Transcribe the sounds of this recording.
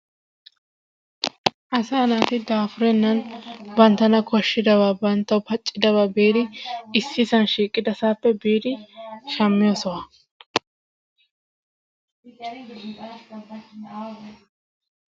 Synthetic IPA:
ʔɐsaːnaːt̪ɪd̪aːfʊɾɛnːɐnbɐnt̪ːɐnɐkɔʃːɪd̪ɐwaːbɐnt̪ːɐwpɐt͡ʃʼːɪd̪ɐβaːbeːd̪ɪɪsːɪsɐnʃiːkʼːɪd̪ɐsaːpːɛbeːd̪ɪʃɐmːɪjoːsɔwa

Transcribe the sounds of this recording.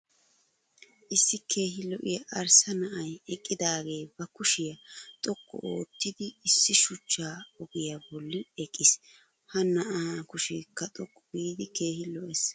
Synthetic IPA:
ʔɪsːɪkʰe̞ːɦɪlɔʔɪjɐʔɐɾsɐnɐʔɐjɛkʼːɪd̪aːɡe̞ːbɐkʊʃɪjɐt̪ʼɔkːɔ̰oːt̪ːɪd̪ɪːsːɪʃʊt͡ʃːaːɔɡɪjɐbɔlːɪɛkʼːɪs | hɐnɐʔakʊʃɪkːɐt̪ʼɔkːɔɡiːd̪ɪke̞ːhɪlɔʔɛs

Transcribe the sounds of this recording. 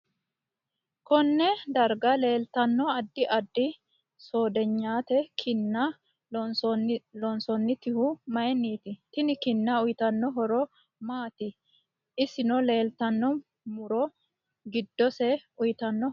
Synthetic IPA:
kɔnːɛd̪ɐɾɡɐle̞ːlt̪ɐnːɔɐd̪ːɪʔɐd̪ːɪ | soːd̪ɛɲːaːt̪ɛkʰɪnːɐ | sɔlɔnsɔnːɪt̪ɪhʊmɐjɛnːiːt̪ɪt̪ɪnɪkɪnːɐʊjt̪ɐnːɔɦɔɾɔ | maːt̪ɪ | ɪsɪnɔle̞ːlt̪ɐnːɔ | mʊɾɔ | ɡɪd̪ːɔsɛʊjt̪ɐnːɔ

